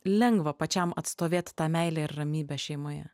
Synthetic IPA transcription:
lʲɛŋɡʋɐpɐt͡ʃʲɛmɐt̪st̪oːʋʲeːt̪ʲt̪ɑːmʲɛɪlʲæːɪɾːɐmʲiːbʲæːʃʲɛɪmoːjɛ̰

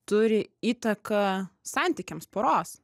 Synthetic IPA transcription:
t̪ʊɾʲɪiːt̪ɐkɐsɑnʲt̪ʲɪkʲɛmspoːɾoːs

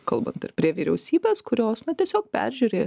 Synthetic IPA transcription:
kɐlˠbɐ̰nt̪ɪ̰ɾpʲɾʲiɛʋʲiːɾʲɛʊsʲiːbʲeːskʊɾʲoːsnɐt̪ʲiɛsʲoːk̚pʲæ̰ɾʲʒʲuːɾʲeː

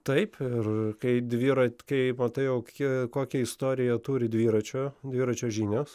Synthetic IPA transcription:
t̪ɐɪpɪrkɐɪd̪ʲʋʲiːɾɐkɐɪmɐt̪ɐɪjɛʊkʲikoːkʲɛɪst̪oːɾʲɪjɛt̪uːɾʲɪd̪ʲʋʲiːɾɐt͡ʃʲoːd̪ʲʋʲiːɾɐt͡ʃʲoːʒʲiːnʲoːs

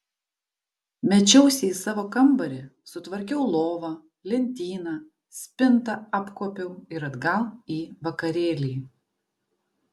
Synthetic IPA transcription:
mʲɛt͡ʃʲɛʊsʲɛiːsɑːʋoːkɐmbɐɾʲɪsʊt̪ʋɐɾʲkʲɛʊlˠoːʋɑː | lʲɛnʲt̪ʲiːnɑː | sʲpʲɪnt̪ɐɑpkoːpʲɛʊɪɾɐd̪ɡɐlˠiːʋɐkɐɾʲeːlʲiːj

